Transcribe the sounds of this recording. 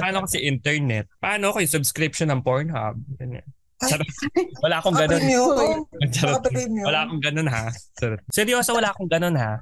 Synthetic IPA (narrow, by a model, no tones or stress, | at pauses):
pɐʔaːnokɐsɛʔint̪ɛɹnɛt̪̚pɐʔaːnokojʊŋsʊbskɾɪpʃonɐŋpoɹnha̰b̚jɐna | ɐɾwɐlaːʔɐkoŋɡɐnon | t͡ʃɐɾwɐlaːkoŋɡɐnonɦasɛɾ̚sɛɾɪjoːsɐwɐlaːʔkoŋɡɐno̞nha